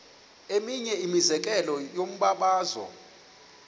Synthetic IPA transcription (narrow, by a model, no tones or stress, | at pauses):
emiɲɛimizɛk̬ʼɛlɔjom̩ɓaɓaːzɔ̰